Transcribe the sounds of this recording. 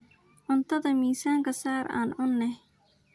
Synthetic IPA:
ʕʊnt̪ʰɐðɐmiːsaːŋkʰɐsaːɾa̰ːnʕʊnːɛh

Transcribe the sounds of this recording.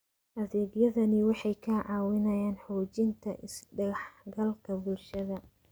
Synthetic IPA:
ʔɐðɛːɡjɐðɐnɪwɑħɑjkʰɐʕɑːwɪnɐjaːnħuːt͡ʃɪnt̪ʰɐ̰ʔɪsɖɐɣɑħɡɐlkʰɐbʊlʃɐðɐ

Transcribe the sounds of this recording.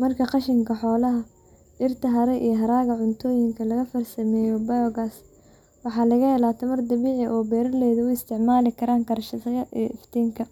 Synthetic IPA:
mɐrkʰɐqɑʃɪŋkʰɐħɔːlɐɦɐ | ɪrt̪ʰɐɦɐɾɛʔijɦɐɾaːɣɐʕʊnt̪ʰɔːjɪŋkʰɐlɐɣɐfɐrsɐmɛːjɔbɐjɔɣaːs | wɑħɑːlɐɣɐɛlaːt̪ʰɐmɐrd̪ɐβiːʕɪʔɔːbɛːɾɐlɛːðɐʊɪst̪ʰɪʕmaːlɪkʰɐɾaːŋkɐɾʃɐtɐjɐʔiːʔɪft̪ʰiːŋkʰɐ

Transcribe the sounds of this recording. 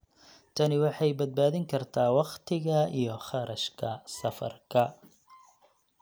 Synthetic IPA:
t̪ʰɐnɪwɑħɑjbɐd̪̚baːðɪŋkʰɐrt̪ʰaːwɑqt̪ʰɪɣɐijɞχɑɾɐʃkʰɐsɐfɐ̰rkʰɐ

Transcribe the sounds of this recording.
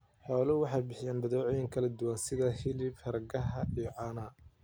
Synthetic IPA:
ħɔːlɐwɑħɑjbɪħɪjaːnbɐðɔːʕɔjɪŋkʰɐlɐd̪ʊwaːnsɪðɐhɪlɪbhɐɾɡɐɦɐʔijɔʕɑːnaː

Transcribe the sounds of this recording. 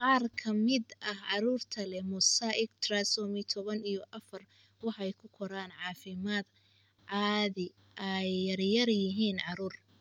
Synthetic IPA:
qɑːrkʰɐmɪd̪ʔɐhʕɑɾuːrt̪ʰɐlɛmʊsaʔɪɡt̪ʰrasɔːmɪt̪ʰɔβɐnijɔʔɐfɐr | wɑħɑɛjkʰʊkʰɔɾaːnʕɑːfɪmaːd̪ | ʕɑːðɪ | ʔɛjːɐrjɐrjɪɦiːnʕɑɾuːr

